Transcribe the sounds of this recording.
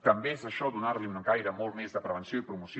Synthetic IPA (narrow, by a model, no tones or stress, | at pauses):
t̪əmbeezəʃɔd̪unaɾliunəɡajɾəmɔlˠt̪mɛzðəpɾəβənsjoipɾumusj